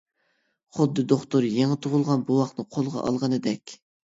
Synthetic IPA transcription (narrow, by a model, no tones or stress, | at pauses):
χʊd̪ːɨd̪oχt̪uɾjeŋɨt̪ʰʊʁʊlˠʁɑnbuwɑχnɨqʰolˠʁɑ̰ʔɑ̰lˠʁɑnɨd̪ɛkʲ